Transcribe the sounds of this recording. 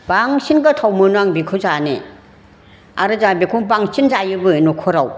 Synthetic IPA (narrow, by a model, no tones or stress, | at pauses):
baŋsinɡatʰawmɯnaŋbikʰɯzane | aɾɯzabikʰuŋbaŋsʰinzajɯbɯnukʰɔɾaw